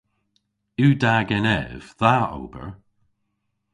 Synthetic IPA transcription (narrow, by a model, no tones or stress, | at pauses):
ʉːdaɡɛnɛv̥ðao̰ːb̥ə̰ɹ